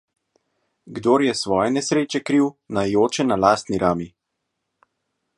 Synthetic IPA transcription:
ɡd̪oːɾjɛsʋɔːjɛnɛsɾeːt͡ʃɛkɾiːwnajoːt͡ʃɛnalaːst̪niɾʔaːmi

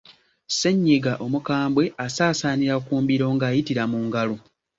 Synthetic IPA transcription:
se̞ɲːeɡaʔo̞mukaːmbwe̞asaːsaːniɾakuːmbiɾo̞ːŋɡaːjitiɾamuːŋɡalu

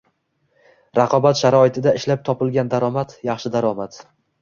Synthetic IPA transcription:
ɾɑqʰɒbat̪ʃaɾɒɪt̪ʰɪd̪aɪʃlap̚t̪ʰɒpɪlˠɡʲand̪aɾɒmat̪jɑχʃɪd̪aɾɒmat̪

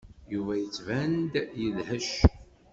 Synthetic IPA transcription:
juvæjət͡sːvænd̪jəlhəʃ

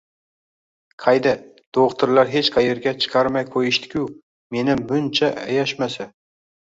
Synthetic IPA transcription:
qʰɑjd̪a | d̪̥oʁt̪ʰɪɾlaɾɦe̞t͡ʃqʰɑjeɾɡʲat͡ʃʰɨ̥qʰɑɾmajkʰojɪʃt̪ʰɪ̥kʲʰʊw | me̞nɪmbʊnt͡ʃʰaʔa̰jaʃmasa

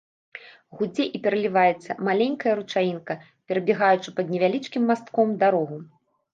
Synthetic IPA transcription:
ɣud͡zʲɛʔipʲɛɾɐlʲivajɛt̪sːɐ̰malʲenʲkɐjɐɾut͡ʂajinkɐ | pʲɛɾɐbʲɛɣajut͡ʂɨpɐd̪nʲɛvʲalʲit͡ʂkʲimːast̪kɔmd̪aɾɔɣu

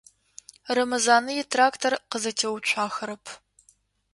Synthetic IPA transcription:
rɐmɐzaːnɨjɪtʰraːktʰorqəzɐtʰewt͡ʃʷʰaːxɐɾɐpʰ

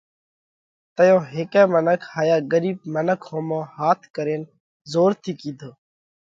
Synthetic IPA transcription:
t̪əjõːɦeːkɛ̃ːmənəkʰhaːjaːɡəɾiːb̚mənəkʰhõːmõːhaːt̪ʰkəɾeːn | zoːɾt̪ʰiːkiːd̪ʱoː

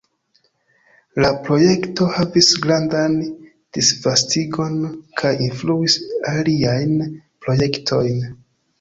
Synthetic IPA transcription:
lapɾo̞je̞kto̞havisɡɾandan | d̥isvastiɡo̞nkʰajinfluisaliajnpɾo̞je̞ktʰo̞jn

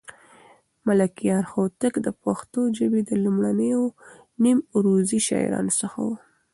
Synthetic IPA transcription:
malakijɑɾxot̪əkd̪əpaxt̪od͡ʒəbed̪əlumɽanəjo | nimɾoziʃɑ̰j̰ɾɑ̰nosəxa̰wu

